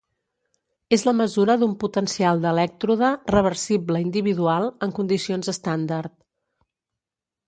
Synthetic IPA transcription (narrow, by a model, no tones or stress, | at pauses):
ezləməzuɾəðumput̪ənsialˠd̪əlɛk̚t̪ɾuðərəβ̞ərsibləind̪iβ̞iðualˠəŋkund̪isionzəst̪and̪əɾt̪